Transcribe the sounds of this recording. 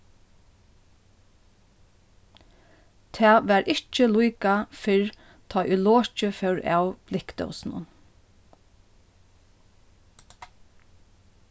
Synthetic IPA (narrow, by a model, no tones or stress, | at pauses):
t̪ʰæːʋæːɾʔɪt͡ʃəlujkafɪɹ | t̪ʰɑjʔʊloːt͡ʃəfɛwɹa̰wb̥lɪkt̪œ̰wsn̩ʊ̰n